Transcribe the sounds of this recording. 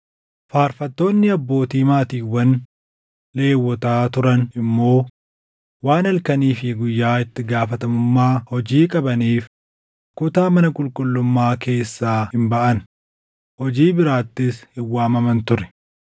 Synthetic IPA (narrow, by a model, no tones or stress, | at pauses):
faːɾfɐt̪ːo̞ːnːɪɐbːo̞ːt̪iːmaːt̪iːwːɐn | le̞ːwːɔt̪aːt̪ʊɾɐnɪmːo̞ː | waːnɐlkɐniːfɪɡʊjːaːɪt̪ːɪɡaːfɐt̪ɐmʊmːaːhɔd͡ʒiːkʼɐbɐniːf | kʊt̪aːmɐnɐkʼʊlkʼʊlːʊmːaːke̞ːsːaːhɪmbɐʔɐn | hɔd͡ʒiːbɪɾaːt̪ːɪshɪwːaːmɐmɐnt̪ʊɾɛ̥